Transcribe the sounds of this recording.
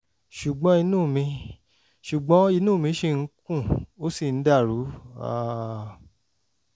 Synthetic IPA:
ʃu˨ɡ͡bɔ̃˧˦i˧nũː˦˨mĩ˧ | ʃu˨ɡ͡bɔ̃˨˦i˧nũː˦˨mĩ˧˦ʃe˧˨ŋ̩˦kũ˦˨o˦si˦˨n̩˨˦da˦˨ɾu˨˦a̰˦˨

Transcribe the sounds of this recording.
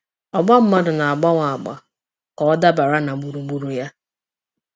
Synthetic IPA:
ɔ˨ɡ͡ba˦m̩˦ma˦dʊ˨na˨a˨ɡ͡ba˦ŋʷa˨a˨ɡ͡ba̰˨ | kɔ˨ɔ˦da˦ba˨ɾa˦na˨ɡ͡bu˨ɾu˨ɡ͡bu˨ɾu˨ja˦

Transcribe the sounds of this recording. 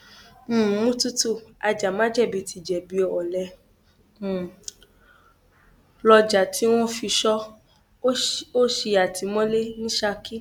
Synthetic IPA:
mũ˦tu˦tu˦˨a˧d͡ʒa˨mã˦d͡ʒɛ˦˨bi˨˧tʰi˨d͡ʒɛ˨bi˨˧˨ɔ˨lɛ˨˧˨ | lɔ˧d͡ʒa˨tʰi˨˦w̃ɔ̃˦fi˧ʃɔ˦ | o˦ʃe˧a˨tʰi˨˦mɔ̃˦le˦nĩ˦ʃa˧ki˦

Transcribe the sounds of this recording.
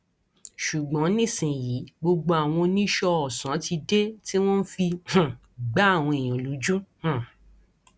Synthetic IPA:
ʃu˨ɡ͡bɔ̃˨˦nĩ˦˨sĩ˨ji˨˦ɡ͡bo˧ɡ͡bo˧a˨w̃ɔ̃˧nĩ˦ʃɔ˧ɔ˨sã˨˦ti˧de˦ti˦w̃ɔ̃˦n̩˦fĩ˧˨ | ɡ͡ba˦a˦˨w̃ɔ̃˧e˨j̃ã˨lu˨˦d͡ʒu˦h̩˦˨

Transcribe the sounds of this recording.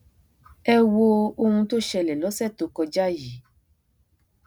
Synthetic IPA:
ɛ˧wo˧o˧hũ˧to˦ʃɛ˧lɛ˨lɔ˨˦sɛ˦˨to˨˧kɔ˧d͡ʒa˦ji˨˦

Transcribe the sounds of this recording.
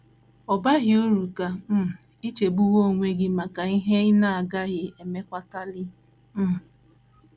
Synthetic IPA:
ɔ˨ba˦ɦɪ˨o˦ɾu˨ka˨m̩˦˨ | i˦t͡ʃe˨bu˦wo˦˨ŋʷe˦ɡɪ˦ma˨ka˨i˦ɦe˦ɪ˦na˨a˨ɡa˦ɣɪ˨e˨me˦kʷa˦ta˦lɪ˦ | m̩˦

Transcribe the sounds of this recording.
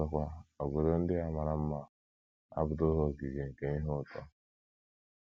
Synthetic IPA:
a˨kʷa˦o˨ɡʷe˨ɾo˦n̩˦dɪ˦a˨ma˨ɾa˦m̩˦ma˦ | a̰˦bʊ˨do˦ɦo˦˨ki˨d͡ʒe˨ŋ̩˨ke˨ɲi˦ɦo˦˨tʰɔ̰˨

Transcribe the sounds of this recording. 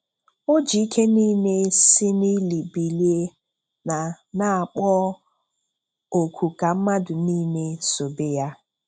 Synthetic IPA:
o˦d͡ʒi˨i˦kʰe˦niː˦me˦sɪ˦ni˦li˨bi˨li˦e˦ | na˨ | na˦a˨k͡pɔ˦ | o˨kʷʰu˨ka˨m̩˦ma˦dʊ˨niː˦me˦so˨be˦ja˦

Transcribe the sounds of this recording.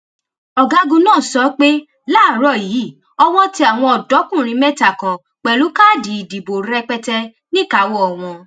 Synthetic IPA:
ɔ˨ɡa˧ɡũ˧nãː˦˨sɔ˨˦k͡pe˦ | laː˦˨ɾɔ˦˨ji˨˦˨ | ɔ˧w̃ɔ̃˦ti˦a˨w̃ɔ̃˧ɔ˨dɔ˨˦kũ˦˨ɾ̃ĩ˧˦mɛ̃˦ta˨kɔ̃˨ | k͡pɛ˨lu˨˦ka˦˨di˨˦i˨di˨bo˨ɾɛ˧k͡pɛ˧tɛ˧ | nĩ˦˨ka˨˦wɔ˦ɔ˨w̃ɔ̃˧

